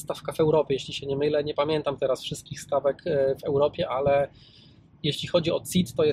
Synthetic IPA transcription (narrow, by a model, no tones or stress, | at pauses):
st̪afkavɛwɾɔpʲjɛjeɕlʲiɕɛɲɛmɘlɛɲɛpamʲjɛnt̪amt̪ɛɾasfʂɘst̪̚kʲixst̪avɛkvɛwɾɔpʲjɛʔalɛ | jeɕlʲixɔd͡ʑiɔt̪sit̪ːɔjɛ